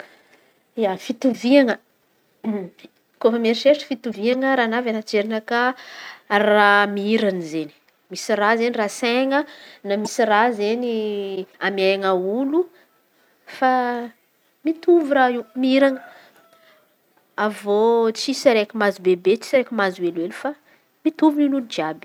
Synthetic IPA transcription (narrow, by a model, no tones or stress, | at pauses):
afit̪uviaŋə | kofəmeɾiʃeʈ͡ʂə̥fit̪uviaŋəɾanavanat͡ʃeɾinəka | ramiiɾanizeni̥ | misirazeniraseŋənamisirazeniamaŋaulu | fa | mit̪uvuɾaimiiɾaŋə | avot͡sisaɾekimazubebet͡ʃi̥saɾekimazwelelufa | mit̪uvuninuld͡ʒiabi̥